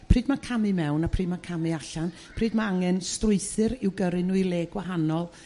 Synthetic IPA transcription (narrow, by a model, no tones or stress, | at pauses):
pʰr̥iːd̚makʰamɨmɛwnapʰriːdmakʰamɨaɬan | pʰriːdmaaŋɛnstrʊɨθɨɾɪwɡəɾɨnuɨlˠeːɡwaɦanɔlˠ